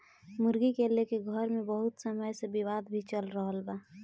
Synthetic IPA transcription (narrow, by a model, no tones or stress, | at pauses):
mʊɾɡikelekeɡʱəɾmebəɦʊt̪səməjsebiwad̪bʱit͡ʃəlɾəɦəlba